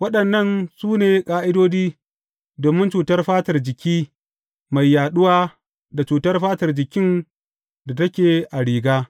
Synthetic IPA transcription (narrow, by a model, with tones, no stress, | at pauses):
wɐ˦ɗɐ˨nːɐ˦˨nsuː˦neː˨kʼaː˦ʔɪ˦doː˦d͡ʒiː˦ | doː˨mɪ˦nt͡ʃuː˨tɐ˦rɸaː˦tɐ˨rd͡ʒɪ˨kʲiː˦ | ma˨jːaː˨ɗʊ˦waː˦ | da˨t͡ʃuː˨tɐ˦rɸaː˦tɐ˨rd͡ʒɪ˨kʲɪ˦n | da˨tɐ˦kʲeː˨ʔa˨ɽiː˨ɡaː˦